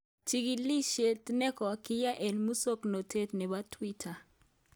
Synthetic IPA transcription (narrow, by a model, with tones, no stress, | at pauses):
t͡ʃi˦ɡi˨li˦ʃe˨tnɛ˦kɔ˨kɪ˦ja˦ʔɛ˨nmu˦so˦kno˨te˦tnɛ˨ba˦tʰwi˦tʰa˨